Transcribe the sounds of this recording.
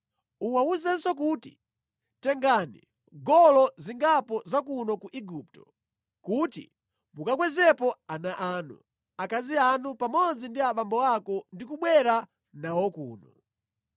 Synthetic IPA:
uwauzɛnsɔk̬uːtḭ | tɛŋɡanḭ | ɡɔlɔziŋɡapɔzakunɔkuʔiɡuptɔ | kutḭ | mukak̬wɛzɛpɔanaʔaːnṵ | akazianupamɔd͡zindiaɓambɔakɔndikuɓwɛɾa | nawɔkṵːnɔ

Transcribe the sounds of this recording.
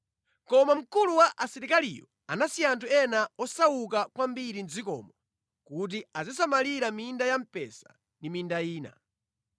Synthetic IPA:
kɔmam̩kuluwaʔasiɾikalḭjɔ | anasiantʰuɛnaɔsawukakwambiɾinzikɔ̰ːmɔ | kut̬iazis̬amaliɾamindajam̩pɛ̰sḁ | ndimindaiːna̰

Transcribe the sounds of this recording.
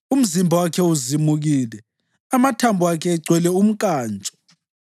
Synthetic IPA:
um̩zimbʱawakʰɛuzimuɣiːlɛ | amatʰambʱuwakʰɛːɡ͡ǀʱwɛlɛum̩kʼaːnt͡ʃʼɔ̥

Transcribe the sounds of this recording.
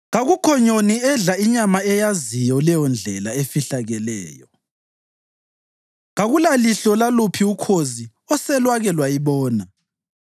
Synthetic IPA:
ɣaɣukʰɔɲoniɛɮaiɲamaɛjazijɔlɛjɔnd͡ɮʱɛlaefiɬaɣɛlɛ̰ːjɔ | ɣaɣulaliɬɔlalupʰiukʰozi | ɔsɛlwaɣɛlwajiβɔːna

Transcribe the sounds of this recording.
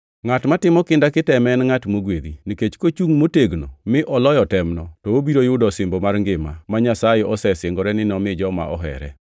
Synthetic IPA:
ŋatmatɪmɔkɪndakɪtɛmɛnŋatmoɡwed̪iniket͡ʃkot͡ʃuŋmoteɡno̰mɪʔɔlɔjɔtɛmnɔtɔobiɾojʊdɔsɪmbomaɾŋɡɪmamaɲasajɛʔɔsɛsɪŋɡɔɾɛnɪnɔmɪd͡ʒɔma̰ʔɔ̰ɦɛ̰ɾɛ̰

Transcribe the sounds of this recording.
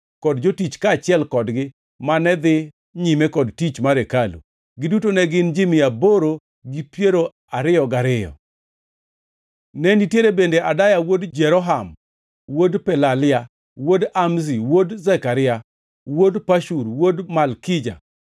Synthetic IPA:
kɔdd͡ʒotit͡ʃkaːt͡ʃɪɛlkɔdɡɪ | manɛd̪ɪ | ɲimɛkɔdtit͡ʃmaɾekalṵ | ɡɪdutonɛɡɪnd͡ʒimɪaboɾo | ɡipjeɾo | aɾɪjɔɡaɾɪjɔ̰ | nɛnitjeɾebendeʔadajawodd͡ʒɛɾɔɦam | wodpɛlalɪa | wodamziwodzɛkaɾɪa | wodpaʃuɾwodmalkɪd͡ʒa̰

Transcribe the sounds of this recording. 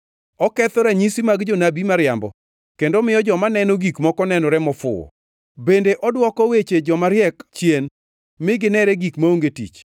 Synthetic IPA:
ɔkɛt̪ɔɾɛɲisimaɡd͡ʒonabimaɾjambɔ | kendomɪjɔd͡ʒɔmanɛnoɡikmɔkɔnɛnɔɾɛmɔfʊ̰ɔ̰ | bendeʔɔdwɔkɔwet͡ʃed͡ʒɔmaɾjɛkt͡ʃjen | mɪɡɪnɛɾɛɡikmaoŋɡetḭt͡ʃ

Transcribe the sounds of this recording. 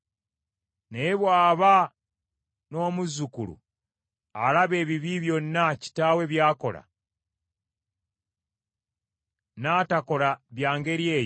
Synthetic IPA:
neβwaːβa | no̞ːmuzukulṵ | alaβe̞ːβiβiβjo̞nːaci̥taːwe̞βjaːko̞la̰ | naːtako̞laβjaːŋɡe̞ɾje̞ː

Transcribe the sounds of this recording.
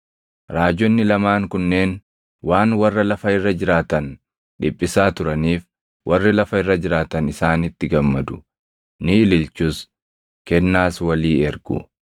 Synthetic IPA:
ɾaːd͡ʒːɔnːɪlɐmaːŋkʊnːe̞ːn | waːnwɐrːɐlɐfɐɪrːɐd͡ʒɪɾaːt̪ɐn | ᶑɪpʼːɪsaːt̪ʊɾɐniːf | wʔɐrːɪlɐfɐɪrːɐd͡ʒɪɾaːt̪ɐnɪsaːnɪt̪ːɪɡɐmːɐd̪ʊ | nɪɪlɪlt͡ʃʊːs | kɛnːaːswɐliːɛɾɡʊ̰

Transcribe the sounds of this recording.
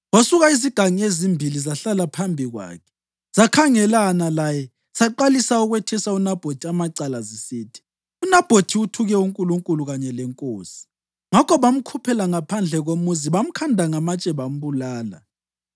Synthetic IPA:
wasuɣaiziɡ̥ʱaŋiezimbʱilizaɬalapʰambʱiɣwa̰ːkʰɛ̥ | z̥akʰaŋɛlanalajɛ | saǃalisauɣwɛtʰɛsaunab̥ʱotʰiamaǀalazisiːtʰi̥ | unab̥ʱotʰiutʰuɣɛuŋkʼuluŋkʼuluɣaɲɛlɛŋkʼoːsi̥ | ŋakʰɔβam̩kʰupʰɛlaŋapʰand͡ɮʱɛɣomuziβam̩kʰandʱaŋamat͡ʃʼɛβam̩βulaːla̰

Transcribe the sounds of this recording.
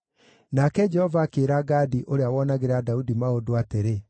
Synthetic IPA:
nakɛd͡ʒɛhɔvaːkeːɾaɡaːdiʔoɾeawɔnaɣeɾadaudimaodoateɾe

